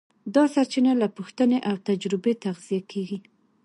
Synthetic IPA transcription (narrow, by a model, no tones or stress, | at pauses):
d̪ɑsaɾt͡ʃinalapuxt̪əneʔawt̪ad͡ʒɾɪbet̪aɣz̥ijakʰeɡi